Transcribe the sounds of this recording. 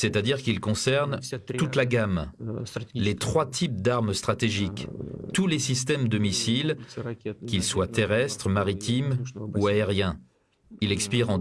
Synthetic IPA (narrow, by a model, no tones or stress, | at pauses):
sɛt̪ad̪iʁkilkɔ̃sɛʁnt̪ut̪laɡam | let̪χwat̪ʰip̚d̪aʁmst̪χat̪eʒikt̪ulesist̪ɛmd̪əmisil | kʲilswat̪eʁɛst̪χəmaʁit̪imuaeʁjɛ̃ | ilɛkspiʁɑ̃